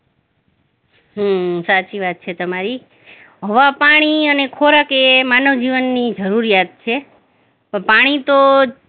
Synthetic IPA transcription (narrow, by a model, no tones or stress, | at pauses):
ɦəsat͡ʃiʋat̪̚t͡ʃʰet̪əmaɾi | ɦəʋapaɽ̃iənekʰoɾakemanəʋd͡ʒiʋənːid͡ʒəɾuɾijat̪̚t͡ʃʰe | pəpaɽ̃it̪o